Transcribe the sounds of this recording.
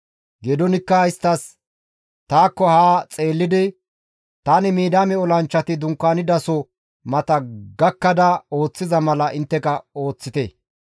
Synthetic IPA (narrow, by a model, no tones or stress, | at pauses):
ɡɛd̪ɔnɪkːɐɪst̪ːɐs | t̪aːkːɔhaːt͡sʼeːlːɪd̪ɪ | t̪aːnɪmiːd̪aːmɛɔlɐnt͡ʃːɐt̪ɪd̪ʊŋkːaːnɪd̪ɐsɔ | mɐt̪ɐɡɐkːɐd̪ɐo̞ːt͡sːɪzɐmɐlɐʔɪnt̪ːɛkɐo̞ːt͡sːɪt̪ɛ̰ː